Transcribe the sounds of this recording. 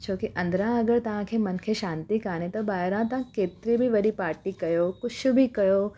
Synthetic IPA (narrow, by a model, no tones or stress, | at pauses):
t͡ʃʰoːkiʔɐ̃nd̪ɾãɐɡəɾt̪ɐɦãkʰemɐnkʰeʃãːnt̪ikaːnẽt̪obaːɾãt̪ɐãkeːt̪ɾibʱiʋɐɽipaːɾʈikɐjoːkʊt͡ʃʰubʱikɐjoː